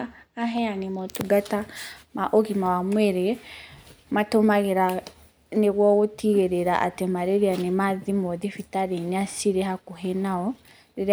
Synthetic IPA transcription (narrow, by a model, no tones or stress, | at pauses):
aɦɛanemɔtuɡatamaʔoɣimawamwɛɾe | matomaɣeɾa | neɣwɔɣotiɣeɾeɾaʔa̰temaɾeɾeanemaðimɔðifitaɾeneasiɾeɦakoɦenaɔ | ɾeɾ